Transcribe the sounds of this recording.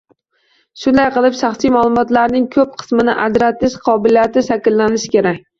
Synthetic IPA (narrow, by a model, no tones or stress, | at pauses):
ʃʊnd̪ajqɨlˠɪpʃɑχsijmalˠʊmɒt̪laɾnɪŋkʰɵp̚qʰɨ̥smɪnɪʔad͡ʒɾat̪ːɪʃqʰɒbɪlijat̪ɪʃakʲlːanɪʃɪ̥kʲe̞ɾakʲ